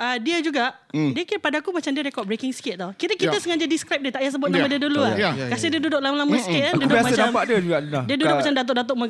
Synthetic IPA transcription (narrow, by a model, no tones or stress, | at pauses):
ədiəd͡ʒuɡaʔ | diəkiɾpadakumat͡ʃamdiəɾekɔʔ̚bɾekɪŋskɪt̪̚t̪awkiɾəkit̪asəŋad͡ʒədiskɾap̚diət̪aʔjas̬əbʊt̪namãdiəduluakasidiədudʊʔlamalaməsə̥kɪt̪̚anndudʊasmat͡ʃanampaʔdiəd͡ʒuɡaʔdiəduddʊʔmat͡ʃamdat̪̬oʔ̚dat̪̬oʔ̚mə